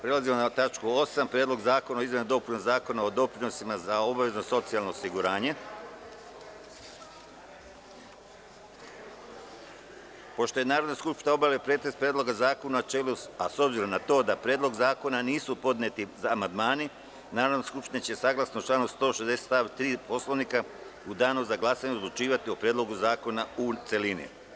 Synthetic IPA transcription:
pɾe̞lazimonat̪at͡ʃkuo̞sampɾjed̪lo̞ɡzaːko̞naoizmenud̪o̞pɾunozaːko̞nao̞d̪o̞pɾino̞simazao̞baʋe̞zno̞so̞t̪sialˠnoːsiɡuɾaːɲe̞ | po̞ʃt̪o̞je̞naːɾod̪naskupʃt̪inao̞baʋlepɾet̪est̪pɾeːd̪lˠo̞ɡazaːko̞nunat͡ʃeːluaso̞bziɾo̞mnat̪o̞ːd̪apɾjeːd̪lˠo̞ɡzaːko̞naniːsupo̞d̪net̪izaːmand̪maːni | naːɾod̪naskupʃt̪inet͡ɕe̞saɡlˠasnot͡ʃlaːnust̪o̞ːʃezd̪e̞set̪aʋt̪ɾiːpo̞sloʋnika | ud̪aːnuzaɡlˠaːsaɲeod̪lˠut͡ʃiːʋat̪iopɾjed̪lo̞ɡuzaːko̞naut̪se̞linḭ

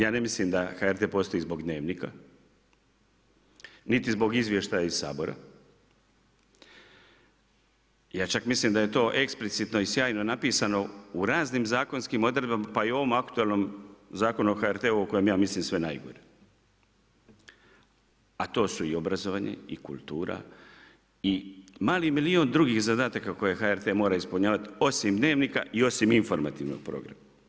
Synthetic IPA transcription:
jaːne̞mislimd̪axaeɾt̪e̞ːpo̞ːst̪o̞izbo̞ɡd̪ne̞ːʋnika | nit̪izbo̞ɡizʋʲje̞ʃt̪ajaissa̰ːbo̞ɾa̰ | jaːt͡ʃakmislimd̪aje̞t̪o̞ːʔe̞ksplit̪sit̪no̞isjaːjno̞napiːsano̞uɾaːznimzaːko̞nskimo̞d̪ɾe̞d̪bamapaio̞ʋomakt̪ueːlˠnomzaːko̞nuoxaeɾt̪eːuoko̞jemjaːmislimsʋe̞najɡo̰ɾe | at̪o̞ːsuio̞bɾazoʋaːɲḛikṵlˠt̪uːɾa̰ | imaːlimilio̞ːnd̪ɾuɡixzad̪aːt̪akako̞je̞xaeɾt̪e̞mo̞ːɾaispuɲaːʋat̪io̞simd̪ne̞ːʋnika̰ʔio̞simiɱfo̞ɾma̰t̪iʋnoɡ̥̚pɾo̰ɡɾa̰ma

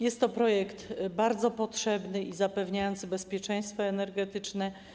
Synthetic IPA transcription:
jɛst̪ːɔpɾɔjɛkt̪baɾd̪zɔpɔtʂɛbnɘizapɛvɲajɔnt̪sɘbɛspʲjɛt͡ʂɛj̃st̪fɔɛnɛɾɡɛt̪ɘt͡ʂnɛ

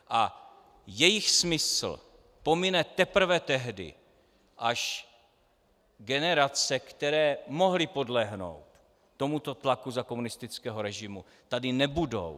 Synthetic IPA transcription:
ʔa | jɛjɪxsmɪsl̩ | po̞mɪnɛt̪ɛpr̩vɛt̪ɛɦdɪ̰ | ʔaʃ | ɡɛnɛɾat͡sɛkt̪ɛɾɛːmo̞ɦlɪpo̞dlɛɦno̰wt̪ː | o̞mut̪o̞t̪lakuzakomunɪst̪ɪt͡skɛːɦoɾɛʒɪmu | t̪adɪnɛbudo̰w

